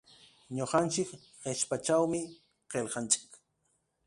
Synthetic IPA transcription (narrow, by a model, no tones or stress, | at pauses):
ɲoqɑnt͡ʃɪk | ɢeʃpat͡ʃawmɪ | qelqɑnt͡ʃɪ̥k